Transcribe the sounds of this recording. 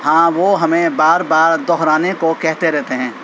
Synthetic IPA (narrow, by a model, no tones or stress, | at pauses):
hãːʋoɦɐmẽbaːɾbaːɾd̪ɔɦɾaːnekokɛɦt̪eɾɛɦt̪eɦɛ̃ː